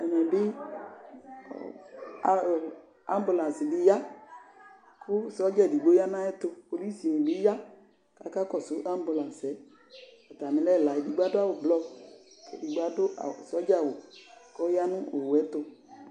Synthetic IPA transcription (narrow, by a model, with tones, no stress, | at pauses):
ɛ˨mɛ̃˨bɪ˦˨ | a˦m˦bu˨lã˨n˨si˨dɪ˦ja˦ | kʰʊ˦sɔ˦d͡ʒɛ˦˨di˨ɡ͡bo˦ja˦nã˦ɛ˦t̪ʊ˧po˨li˦si˨ĩ˨bɪ˨˦ja˦ | ka˨ka˦kɔ˦˨sʊ˨˦ʔa˦m˦bu˨lã˨sɛ˨˦ | ɔ˨ta˨mɪ̃˧lɛ˦˨la˨i˨di˨ɡ͡ba˦dʊ˦a˦˨wʊ˨blɔ˧ | kḛ˨di˨ɡ͡ba˦dʊ˦a̰˨sɔ˦d͡ʒa˦˨wʊ˨kɔ˦ja˦nʊ̃˦o˨wɛ˦t̪ʊ˦˧